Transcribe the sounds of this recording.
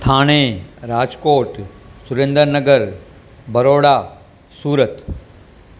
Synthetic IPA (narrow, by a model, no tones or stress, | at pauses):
t̪ʰaːɽ̃eːɾaːd͡ʒkoːʈsʊɾẽnd̪əɾnəɡəɾ | bɐɾoːɽaː | suːɾət̪